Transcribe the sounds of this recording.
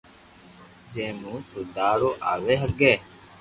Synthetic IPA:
zeːmũːt̪ʰod̪aːɽoːʔa̰ːʋeːɦəɡeː

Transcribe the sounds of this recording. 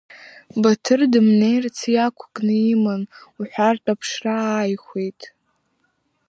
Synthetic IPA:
batʰɨrdɨmnejrt͡sʰjakʷʰkʼnɨimanuħʷartʼapʰʂraːjχʷejtʼ

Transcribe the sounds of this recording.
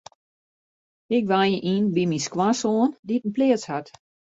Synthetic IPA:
ɪk̚ʋajəʔinbimiskwasoːnditən̩plɪːəshat

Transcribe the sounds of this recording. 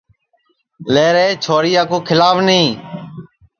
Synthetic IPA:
leːɾeːt͡ʃʰoːɾiːaːkoːkʰɪlaːʋnĩː

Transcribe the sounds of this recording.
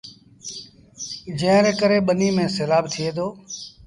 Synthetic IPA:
d͡ʒẽːɾeːkəɾeːɓəniːmẽːselaːb̚t̪ʰɪeːd̪oː

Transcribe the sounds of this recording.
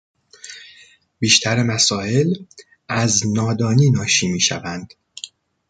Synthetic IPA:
biːʃt̪ʰæɾemæsɒːe̞l | ʔæznɒːd̪ɒːniːnɒːʃiːmiːʃæ̰vænd̪̥

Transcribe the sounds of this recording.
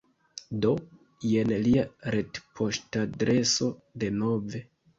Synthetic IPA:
do̞ | jenliaɾetpʰo̞ʃtadɾe̞so̞de̞no̞ve

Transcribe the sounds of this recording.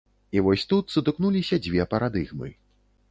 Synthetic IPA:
ivɔsʲt̪ut̪sɨd̪ɨknulʲisʲɐd͡zʲvʲɛpɐɾad̪ɨɣmɨ̰

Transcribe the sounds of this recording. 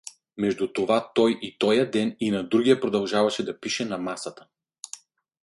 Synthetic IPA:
mɛʒd̪ut̪ovat̪ɔjʔit̪ɔjad̪ɛninad̪ɾuɡijapɾod̪alˠʒavaʃɛd̪apiʃɛnamasat̪ḁ

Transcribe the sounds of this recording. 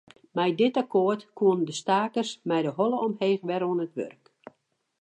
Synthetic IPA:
mɛjdɪtakoərtkʰuəndəstaːkərsmɛjdəɦɔlˠəɔmheːxʋɛroənətʋø̰rk

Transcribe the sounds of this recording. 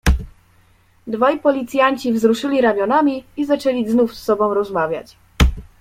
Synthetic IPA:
d̪vajpɔlʲit̪sʲjaɲt͡ɕivzɾuʂɘlʲiɾamʲjɔnamʲiizat͡ʂɛlʲiznufsːɔbɔ̃w̃ɾɔzmavʲja̰t͡ɕ

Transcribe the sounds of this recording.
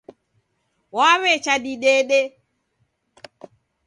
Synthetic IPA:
wawɛt͡ʃaɗiɗɛɗɛ

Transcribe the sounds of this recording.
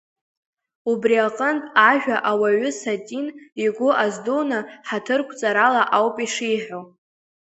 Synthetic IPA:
ubriaqʼəntʼaʒᶣaʔawaɥʏsatʼiniɡʷʊʔazdonaħatʰɨrkʷʰt͡sʼaɾalaʔawpʼiʂijħᶣo

